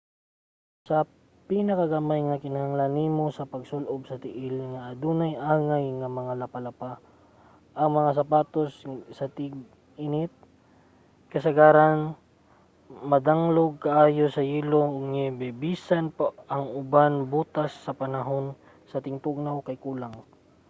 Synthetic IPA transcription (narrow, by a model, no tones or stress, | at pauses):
sɐ | pinɐkɐɡamajŋɐkɪnɐhaŋlanimosɐpɐɡsʊlʔob̚sɐt̪ɪʔɪlŋɐʔːd̪unajʔaːŋajŋɐmɐŋalɐpalɐpa | ʔɐŋmɐŋas̬ɐpaːt̪ossɐt̪ɪɡ | ɪnɪt̪̚ | kɐsɐɡaːɾan | mɐd̪aŋloɡ̚kɐʔaːjosɐjiːloʊɡŋɛbɛbiːsanpaɐŋʊbanbuːt̪asːɐpɐnɐɦo̞n | sɐt̪ɪŋt̪ʊɡ̚nawkɐjkuːlaŋ